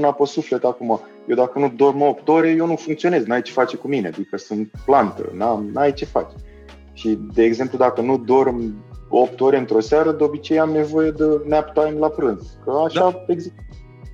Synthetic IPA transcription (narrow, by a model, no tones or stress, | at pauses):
naposufle̞t̪akuma | jewd̪akənud̪o̞rməo̞pt̪o̞ɾe̞je̞wnufuŋkt̪sio̞ne̞znajt͡ʃe̞fat͡ʃekumine̞a̰d̪ikəsunt̪̚plant̪ə̰namnajt͡ʃe̞fa̰t͡ʃ | ʃid̪e̞ːɡze̞mplud̪akənud̪o̞rmo̞pt̪o̞ɾe̞ɨnt̪ɾo̞saɾəd̪eobit͡ʃe̞jamne̞vo̞je̞d̪əneapt̪ajmlapɾɨnzkəaʃaeɡzi